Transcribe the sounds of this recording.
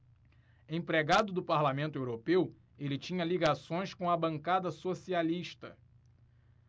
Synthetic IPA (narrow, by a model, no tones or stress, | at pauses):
ẽj̃pɾeɡad̪ʊd̪ʊpaɾlamẽnt̪ʊewɾopew | elɪt͡ʃĩɲɐliɡasõj̃skõɐbɐ̃ŋkad̪ɐsosialiʃt̪ɐ̰